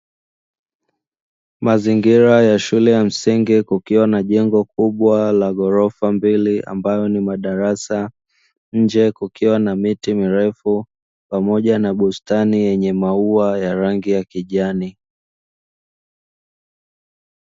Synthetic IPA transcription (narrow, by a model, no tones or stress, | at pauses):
maziŋɡiɾajaʃulɛjam̩siŋɡikukiwanaʄɛŋɡɔkuɓwalaɠɔɾɔfambiliʔa̰mbajɔnimaɗaɾasa | ɲ̩d͡ʒɛkukiwanamitimiɾɛfu | pamɔʄanaɓustanijɛɲɛmauajaɾaŋɡijakiʄani